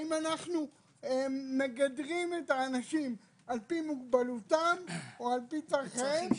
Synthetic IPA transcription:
imanaχnu | eme̞ɡadʁimet̪aːnaʃim | alpimuɡbalutamoalpit͡saʁχe

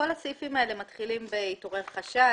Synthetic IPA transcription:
o̞lasifimae̞le̞matχilimbeito̞ʁeʁχaʃa

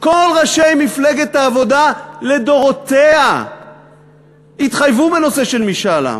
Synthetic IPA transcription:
ko̞lʁaʃejmifleɡet̪aːvo̞dale̞d̪o̞ʁo̞t̪ea | it̪χajvube̞no̞se̞ʃe̞lmiʃala̰

